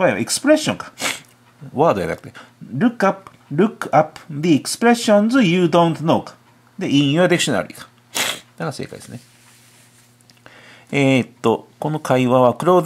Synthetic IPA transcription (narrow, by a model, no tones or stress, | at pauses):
βajβa̰ekɯ̥sɨ̥pɾe̞ɕːõŋkḁ | βaːd̪o̞a̰nakɯ̟̥t̪e | ɾɯkːapɯ̥ɾɯ̟kɯapɯ̥d̪iːkɯ̥sɨ̥pɾe̞ɕːõnzɨjɨːd̪õnt̪nokḁ | d̪eĩɰ̃joad̪ikɯ̥ɕona̰ɾḭːkḁ | d̪aɡasḛːka̰id̪esɨne | et̪ːo̞ko̞no̞kʰaiβaβakɯ̟ɾoːd̪